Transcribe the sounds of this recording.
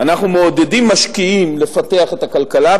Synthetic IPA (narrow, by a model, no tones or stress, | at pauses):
anaχnumeod̪e̞dimːaʃkiimle̞fate̞aχetakalkala